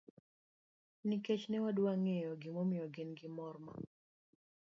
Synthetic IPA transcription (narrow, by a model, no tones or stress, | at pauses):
niket͡ʃnɛwadwaŋejɔɡɪmomɪjɔɡɪnɡɪmɔrma̰